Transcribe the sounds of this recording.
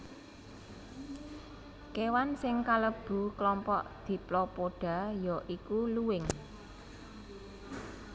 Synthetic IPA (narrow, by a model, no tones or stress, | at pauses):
kewansɪŋkaləb̥ṳklɔmpɔ̰ʔd̪̥i̤plɔpoɖ̥a̤jɔʔikuluwɪŋ